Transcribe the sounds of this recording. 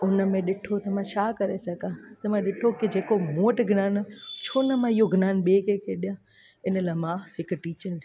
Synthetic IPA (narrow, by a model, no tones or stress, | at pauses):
ʊnə̆mẽɗɪʈʰot̪ɐmãt͡ɕʰaːkɐɾesɐɡʱãt̪ɐmãɗɪʈʰokid͡ʑeːkomoːəʈɡʱnaːnt͡ɕʰoːnəmãiɦoɡʱnaːnɓeːkekʰeɗijã | ɪnəlamãɦɪkʊ̆ʈiːt͡ɕəɾ